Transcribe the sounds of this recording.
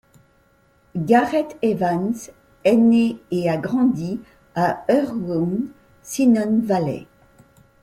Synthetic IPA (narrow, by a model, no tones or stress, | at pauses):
ɡaʁɛt̪evans | ɛneeaɡʁɑ̃d̪i | aœʁun | sinɔnvalɛ̰